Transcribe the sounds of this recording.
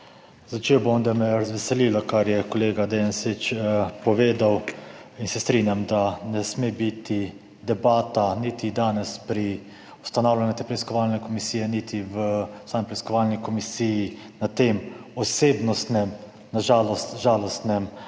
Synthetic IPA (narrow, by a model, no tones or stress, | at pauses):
zat͡ʃewbomd̪amɛɾazʋɛsɛliːlakaɾjɛkɔleːɡad̪ɛansit͡ʃpɔʋeːd̪awinsɛst̪ɾinjamd̪anɛsmebit̪i | d̪ɛbaːt̪anit̪id̪aːnɛspɾi | ust̪anawlʲanjut̪eːpɾɛiskɔʋaːlnɛkɔmisiːjɛnit̪iʋəsaːmipɾɛiskɔʋalnikɔmisiji | nat̪emɔseːbnɔst̪nɛm | naʒaːlɔsʒaːlɔst̪nɛm